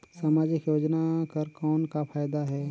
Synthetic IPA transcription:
saːmaːd͡ʒɪkjoːd͡ʒnakɐɾkɔːnkapʰaːjd̪aɦɛː

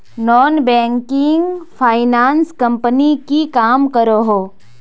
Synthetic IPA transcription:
nɔːnbɛ̃ːŋkɪ̃ŋɡpʰaːɪnaːnskɐ̃mpnikikaːmkəɾoɦoː

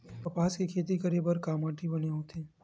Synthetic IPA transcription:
p̪ɐpaːskekʰeːt̪̬ikɐɾibəɾkaːmaːʈʰibɐneɦot̪ʰeː

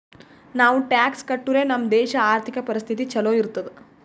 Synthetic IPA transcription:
naːʋuʈaːkskɐʈːuɾe̞ːnɐmd̪ɛːʃɐaːɾt̪ʰikɐpɐɾist̪ʰit̪it͡ʃɐloːiɾut̪ːɐd̪e

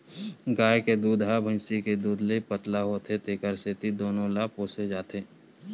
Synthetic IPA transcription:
ɡaːjked̪uːd̪ɦabʱə̃nsiked̪uːd̪ləipət̪laɦoːt̪et̪eːkəɾset̪id̪oːnõlaːpoːsed͡ʒaːt̪eː

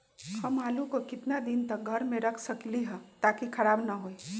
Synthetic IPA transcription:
həmaːlukokɪt̪nad̪ɪnt̪ək̚ɡʱəɾmẽɾəkʰsəkliɦɛ̃t̪aːkikʰɐɾaːbnəɦoi

